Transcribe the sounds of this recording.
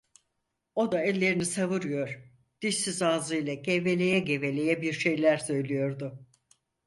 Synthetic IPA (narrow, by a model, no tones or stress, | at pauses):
o̞d̪aɛlʲːe̞ɾinisavɯɾɯjo̞ɾ̥ | d̪̥iʃsizaːzɯjlʲˠaɟʰɛve̞lʲe̞jɛɟe̞ve̞lʲejɛbiɾʃe̞jlʲæɾsø̞jlʲijo̞ɾd̪ʊ